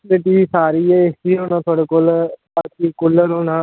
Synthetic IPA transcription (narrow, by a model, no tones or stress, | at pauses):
leːʈiːsaːɾiːɛːesd͡ʒiːoːnãːt̪ʰaːɽeːkoːlbaːkiːkʊlːəɾɦoːnãː